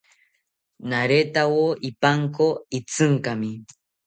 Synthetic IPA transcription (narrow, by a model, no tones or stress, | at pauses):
naɾet̪awoipaŋkoit͡sɨŋkamɪ